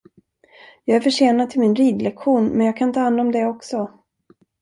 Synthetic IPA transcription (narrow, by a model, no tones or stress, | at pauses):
jɑːɡæɾfœʂeːnad̪̚t̪ʰɪlmɪnɾiːd̪lɛkɧuːnmɛnjɑːɡ̚kʰant̪ʰɑːhand̪ɔmd̪ɛɔksɔ